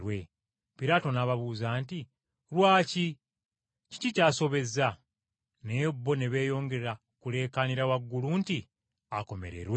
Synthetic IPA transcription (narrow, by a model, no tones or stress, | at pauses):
ɾwe̞ | piɾaːto̞naβaβuːzaːnti | ɾwaːci | ci̥cicaːso̞βe̞za | neobːo̞ne̞βe̞ːjo̞ːŋɡe̞a | kule̞ːkaniɾawaɡːuluːnti | ako̞mḛɾḛɾwe